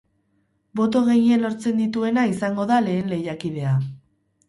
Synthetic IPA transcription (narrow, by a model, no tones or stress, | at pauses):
bo̞t̪̬o̞ɣe̞jie̞lo̞ɾt͡se̞nd̪it̪ue̞naisaŋɡo̞ðale̞ːnle̞jakiβe̞a